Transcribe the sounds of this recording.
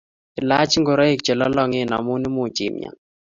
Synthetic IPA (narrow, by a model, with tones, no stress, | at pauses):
ɪ˨la˦t͡ʃŋɡo˨ɾa˦e˦k̚t͡ʃɛ˨lɔ˦lɔ˦ŋe˦˨na̰˨mu˦ni˦mʊ˨d͡ʒḭ˨mja̰˨